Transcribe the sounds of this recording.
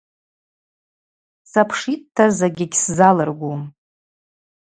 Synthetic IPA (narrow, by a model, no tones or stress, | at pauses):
sapʰʂittʰːazaɡʲɪɡʲszalɨrɡʷum